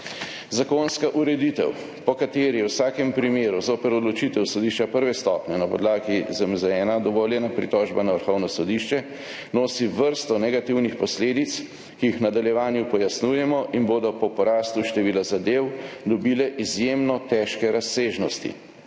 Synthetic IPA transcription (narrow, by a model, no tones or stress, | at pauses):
zakonskaʔuɾɛd̪it̪ɛ̰w | pɔkat̪eːɾiwsaːkɛmpɾimeːɾuzoːpɛɾɔd̪lɔt͡ʃit̪ɛwsɔd̪iʃt͡ʃapəɾʋɛst̪ɔpnɛnapɔ̰d̪laːɡizamzɛːnad̪ɔʋɔljɛnapɾit̪ɔʒbanaʋəɾxɔwnɔsɔd̪iʃt͡ʃɛ | noːsiʋəɾst̪ɔnɛɡat̪iwnixpɔsleːd̪it̪s | kijixnad̪aljɛʋaːnjupɔjasnuːjɛmɔʔinboːd̪ɔpɔpɔɾaːst̪uʃt̪ɛʋiːlazad̪ewd̪ɔbiːlɛʔizjemnɔt̪ɛːʃkɛɾaseːʒnɔst̪ḭ